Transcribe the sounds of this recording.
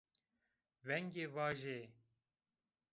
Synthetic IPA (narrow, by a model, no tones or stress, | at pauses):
vɛŋɡeːvɑːʒe